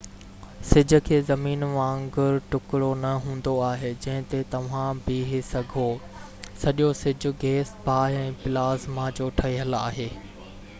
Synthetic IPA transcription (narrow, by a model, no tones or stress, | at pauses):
sɪd͡ʑʱʊ̆kʰeːzɐmiːnmãɐ̃ŋɡʊɾʈʊkɪɽonɐɦũːn̆d̪oaːɦeːd͡ʑɐ̃ɦɪ̃t̪et̪ɐʋ̤ãbɪɦɪsɐɡʱo | sɐʄosɪd͡ʑʱʊ̆ɡeːsbʱaːɦɛ̃ːpɪlaːzmãd͡ʑoːʈʰɐiɦəlaːɦeː